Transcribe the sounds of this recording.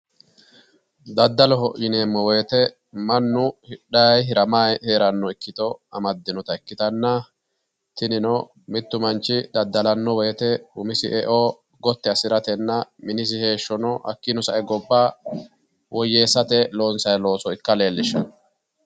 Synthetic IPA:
d̪ɐd̪ːɐlɔhɔʔɪneːmːɔwɛːt̪ɛ | mɐnːʊhɪɗɐjɦɪɾɐmaːjheːɾɐnːɔɪkːɪt̪ɔɐmɐd̪ːɪnɔt̪ɐɪkːɪt̪ɐnːɐ | t̪ɪnɪnɔ | mɪt̪ːʊmɐnt͡ʃːɪd̪ɐd̪ːɐlɐnːɔwɛjt̪ɛʊmɪsɪʔɛʔoː | ɡɔt̪ːɛɐsɪɾɐt̪ɛnːɐmɪnɪs̬ɪhe̞ːʃːɔnɔhɐ̰kːɪnɔsɐʔɛɡɔbːaː | wʔɔjːeːsːɐt̪ɛlo̞ːnsɐjlo̞ːsɔɪkːɐle̞ːlːɪʃːɐn

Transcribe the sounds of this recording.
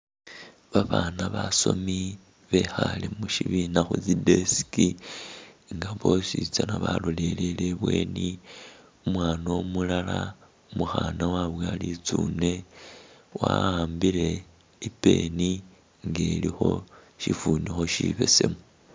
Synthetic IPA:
βaβaːnaβaso̞mi | βexalemuʃiβinaxut͡side̞si̥ki | ŋɡaβo̞sit͡sanaβaloleleleβwe̞̰ːni | umwaːnomulala | muxaːnawaβwalit͡suːne̞ | waaːmbile̞ | ipe̞ni | ŋɡe̞ːlixo̞ | ʃifuːnixo̞ʃiβe̞se̞mu

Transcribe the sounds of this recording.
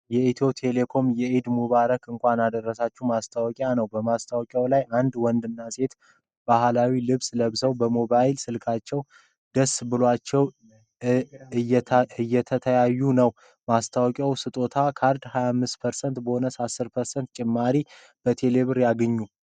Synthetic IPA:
jɛʔit̪ʰo̞t̪ʰe̞le̞kʰo̞mjɛʔid̪muβaɾəkɨŋkʷanad̪ərːəsat͡ʃːumast̪ʰawɔkʼjanəwbəmast̪ʰawkʼjawlajʔand̪wɔnd̪ɨnːase̞t̪ | b̥ahlawilɨβsʼləβzəwbəmobajlsɨlkʰat͡ʃːɛw | d̪əsbɨloat͡ʃːɛw | ɛɨjːɛt̪ʰət̪ʰəjajːunəw | mast̪ʰawɔkʼjawsɨt̪ʼo̞t̪ʰakʰaɾd̪hajamːɨst̪pʰəɾsənt̪bəho̞nəsasːɨɾpʰəɾsənt̪̚t͡ʃʼɪmːaɾi | b̥ət̪ʰe̞le̞βɨɾjaɡəɲːu

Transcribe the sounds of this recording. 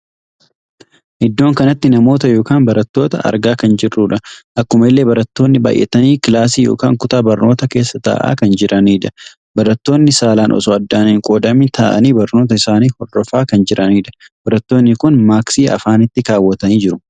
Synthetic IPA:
ʔɪd̪ːo̞ːŋkɐnɐt̪ːɪnɐmo̞ːt̪ɐjo̞ːkaːnbɐɾɐt̪ːo̞ːt̪ɐʔɐ̰ɾɡaːkɐnd͡ʒɪrːuːᶑɐʔɐkːʊmɐɪlːe̞ːbɐɾɐt̪ːo̞ːnːɪba̰ːjʔɛ̰t̪ɐniːkɪlaːsiːjoːkaːŋkʊt̪aːbɐɾnoːt̪ɐke̞ːsːɐt̪a̰ːʔa̰ːkɐnd͡ʒɪɾʔɐniːᶑɐ̥ | bɐɾɐt̪ːo̞ːnːɪsaːlaːnʔɔ̰sɔɐd̪ːaːnɪŋkʼoːd̪ɐmɪt̪ʰaːʔɐ̰niːbɐɾno̞ːt̪̬ɐɪsaːniːhɔrːɔfaːkɐnd͡ʒɪɾʔɐniːᶑɐ̥ | bɐɾɐt̪ːo̞ːnːɪkʊnmaːksiːʔɐ̰faːnɪt̪ːɪkaːwːɐt̪ɐniːd͡ʒɪɾʊ

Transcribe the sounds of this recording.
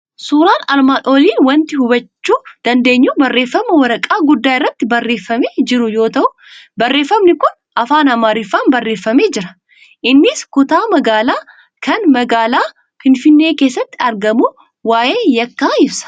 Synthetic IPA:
suːɾaːnɐlmaːnʔoːliːnwɐnt̪ɪhʊbɐt͡ʃːuːd̪̥ɐnd̪e̞ːɲːuːbɐrːe̞ːfːɐmɐwɐɾɐkʼaːɡʊd̪ːaːɪrːɐt̪ːɪbɐrːe̞ːfːɐmeːd͡ʒɪɾʊjo̞ːt̪ɐʔʊ | bɐrːe̞ːfːɐmnɪkʊn | ʔɐfaːnɐmaːɾɪfːaːnbɐrːe̞ːfːɐme̞ːd͡ʒɪɾɐ̥ | ʔɪnːɪskʊt̪aːmɐɡaːlaː | kɐnmɐɡaːlaː | fɪnfɪnːe̞ːke̞ːsːɐt̪ːɪɐɾɡɐmu | waːje̞ːjɐkːaːɪbsɐ̥

